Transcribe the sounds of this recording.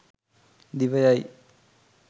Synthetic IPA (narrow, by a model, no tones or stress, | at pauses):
d̪iʋɐjaj